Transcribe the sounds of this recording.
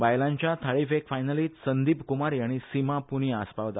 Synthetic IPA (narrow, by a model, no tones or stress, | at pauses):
ʋajlãɲt͡ɕjat̪ʰaɭifekfajnəliːt̪sənd̪iːpkumaɾjaɽ̃isimapuɽ̃iaspaʋt̪